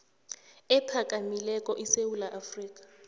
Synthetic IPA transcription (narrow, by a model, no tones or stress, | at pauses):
ɛpʰakʼamilɛkʼɔʔisewulaʔafriːk̬ʼḁ